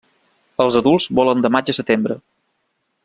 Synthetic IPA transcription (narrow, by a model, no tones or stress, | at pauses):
əlˠzəðulˠzβɔlənd̪əmad͡ʒəsət̪embɾə